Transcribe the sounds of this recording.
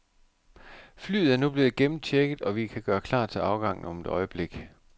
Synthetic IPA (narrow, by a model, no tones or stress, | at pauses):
fly̰ːð̩ˠæɐnub̥led̥e̝ɡ̥emn̩t͡ɕʰeɡ̥ð̩ˠɒ̽ʋikʰæɡ̥ɶːɐkʰl̥ɑ̰̥̈ːt͡sʰe̝lɑ̈ʊɡ̥ɑ̈ŋ̰n̩ɒ̽med̥ɒ̽ɪəb̥le̝ɡ̥